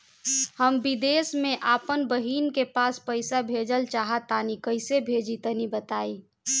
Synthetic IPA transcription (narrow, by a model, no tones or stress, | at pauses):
həmbid̪eːsmẽʔaːpənbəɦiːnkepaːspəɪsabʱeːd͡ʒəlt͡ʃaːɦat̪aːnikəɪsebʱeːd͡ʒit̪ənibət̪aːi